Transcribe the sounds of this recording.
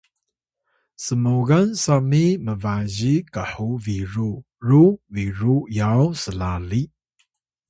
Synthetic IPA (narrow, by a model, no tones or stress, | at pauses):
səmuɡansamiməvaʑikəħuviɾu | ruviɾujawsəlali